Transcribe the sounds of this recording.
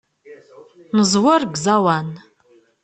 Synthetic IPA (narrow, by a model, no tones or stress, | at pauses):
nəzwɐrɡzawan